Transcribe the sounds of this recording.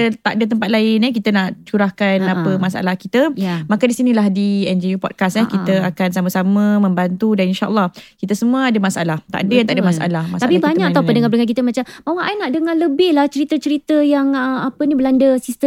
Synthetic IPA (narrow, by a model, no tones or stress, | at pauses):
t̪aʔdət̪əmpat̪̚laɪnək̬it̪ənaʔt͡ʃuɾahkanapəmasa̰lahkit̪əmakadisinĩlahdiɛnd͡ʒijupɔt̚kasakit̪əakansamasamə̃mə̃mbant̪udaninʃaʔə̰lˠːɑhkit̪əsəmuəadəmasalaht̪a̰ʔdət̪aʔadəmasa̰lahmast̪apibaɲakaawpədəŋabləŋank̬it̪əmat͡ʃammawaʔajnaʔdəŋanləbɪhlaht͡ʃəɾit̪ət͡ʃəɾit̪əjaŋapənibəlandəsist̪ə